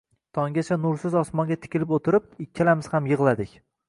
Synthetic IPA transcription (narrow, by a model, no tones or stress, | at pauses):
t̪ʰɒŋɡʲat͡ʃʰanʊɾsɪzɒsmɒŋɡʲat̪ʰɪ̥kʲɪlɪpot̪ʰɪɾɪp̚ɪkʲʰːalamɪz̥hamjɨʁlˠad̪ɪkʲ